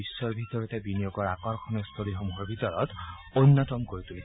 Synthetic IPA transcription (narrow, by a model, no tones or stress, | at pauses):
isːɔɹbʱit̪ɔɹɔtɛbinijokɔɹakɔɹkʰɔnɛst̪ʰolixomuɦɔɹbʱitɔɹɔt | ojnːɔtɔmkoɹit̪uli